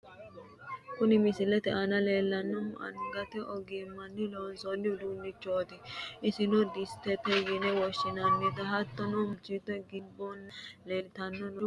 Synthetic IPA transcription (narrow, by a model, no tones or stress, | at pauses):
kʊnɪmɪsɪlɛt̪ɛʔɐnɐleːlːɐnːɔmɐ̰ŋɡɐt̪ɛʔɔɡimːɐnːɪloːnsɔnːɪd̪uːnːɪt͡ʃːoːt̪ɪʔɪsɪnɔd̪ɪst̪ɛt̪ɛjɪnɛwɔʃːɪnɐnːɪt̪ɐɦɐt̪ːɔnɔmʊt͡ʃːɪt̪ːɔɡɪbːɔnːleːlt̪ɐnːɔn